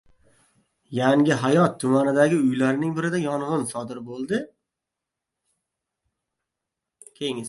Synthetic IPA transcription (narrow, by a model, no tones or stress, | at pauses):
jaŋɡʲɪɦajɒt̪ʰːʊmanɪd̪aɡʲɪʊjlaɾɪnɪŋbɪɾɪd̪ajɒnʁɨnsɒd̪ɪɾbolˠd̪ɪ | kʲʰejɪŋ